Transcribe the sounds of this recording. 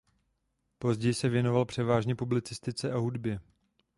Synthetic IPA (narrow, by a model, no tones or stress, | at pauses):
po̞zɟɛjɪsɛvjɛno̞valpr̝̥ɛvaːʒɲɛpublɪt͡sɪst̪ɪt͡sɛʔaɦudbjɪ